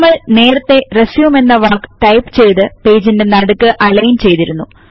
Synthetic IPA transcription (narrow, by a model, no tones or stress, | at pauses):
mːɐɭne̞ːɾɐt̪ːe̞resjiume̞nːɐʋaːkʈɐjpt͡ɕe̞jt̪ɨpe̞ːd͡ʑinde̞nɐɽukːɨʔɐlɐjnt͡ɕe̞jt̪iɾunːu